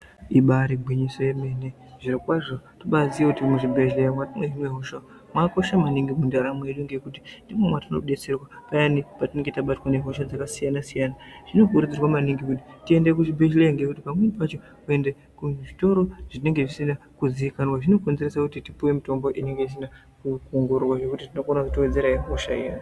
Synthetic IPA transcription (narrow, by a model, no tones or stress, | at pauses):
iɓaɾiɡʱwiɲiso̞je̞me̞ne̞ | ʐ̥irikwaʐotoɓaziekutimuʐibʱe̞ʒleamwatamweʐinweɦoʃa | mwako̞ʃamaniŋɡimundaɾamwe̞ɗuŋɡe̞kuti̥ndimwe̞mwatanoɗe̞t͡se̞rwapajanipatine̞ŋɡetaɓatwaneɦoʃad͡zakasijanasijanaʐ̥ino̞kuɾid͡zirwamaniŋɡikut̬i̥tie̞ndek̬uʐibʱeʃlejaŋɡe̞kutipamwenipat͡ʃo̞ | kue̞nde | kuʐito̞ɾo̞ʐ̥ine̞ŋɡe̞ʐisina | kuziikanwaʐino̞konzeresakutitipuwe̞mito̞mbo̞ʔine̞ŋɡe̞is̬ina | kukuŋɡurrwaʐe̞kutitino̞konakutowed͡ze̞ɾaiɦoʃaḭa̰